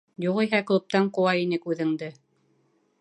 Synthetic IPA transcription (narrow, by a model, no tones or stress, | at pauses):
juʁiɦæklˠɤ̆p̚t̪æɴqŭwɑjinɘkʉðɘ̆ŋd̪ɘ